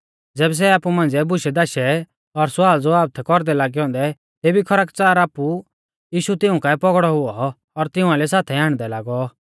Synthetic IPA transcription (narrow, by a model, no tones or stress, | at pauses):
d͡zɛːbɛs̬ɛaːpumãnd͡zɛbʊʃɛd̪aːʃɛ | ɔɾsʊwaːld͡zoaːb̚t̪ʰɛkɔɾd̪ɛlaːɡiɦɔ̃ːnd̪ɛ | t̪eːbikʰɐɾakt͡saːɾaːpu | jiːʃut̪ɪʊ̃kapɔɡɽɔɦʊɔ | ɔɾt̪ɪʊ̃ãlɛsaːt̪ʰɛãːɽ̃d̪ɛlaːɡɔ